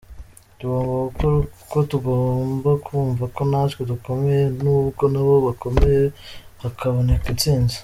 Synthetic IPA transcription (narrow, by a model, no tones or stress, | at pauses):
tuɡo̞ːmbakukoɾkotuɡombakʰuːɱvako̞natkoduko̞mejenubɡo̞naβo̞βako̞mejeβakʰaβo̞ne̞kint͡siːnzi̥